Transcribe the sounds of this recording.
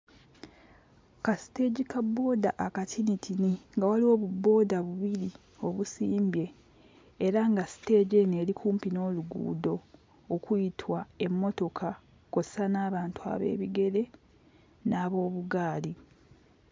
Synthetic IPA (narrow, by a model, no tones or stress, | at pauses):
kasi̥te̞ɟikabːo̞ːda̰ʔakatʰinitʰiniŋɡawaliwo̞ːβubːo̞ːdaβuβiɾi | o̞βusiːmbje̞ː | ɾaŋɡasi̥te̞ːɟe̞neːɾikʰuːmpino̞ːluɡṵːdo̞ː | kuitʰwae̞mːo̞to̞kʰa | ko̞se̥sanaːβaːntua̰βe̞̰ːβiɡe̞ɾe̞ | naːβo̞ːβuɡaːli